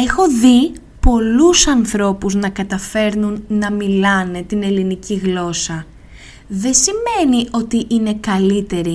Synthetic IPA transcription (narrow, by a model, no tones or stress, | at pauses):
e̞xo̞ði | po̞lusɐnθɾo̞puznɐkɐt̪ɐfe̞ɾnunːɐmilɐne̞t̪ine̞liniciɣlo̞sɐ | ðe̞sime̞nio̞t̪iʔine̞kɐlit̪e̞ɾi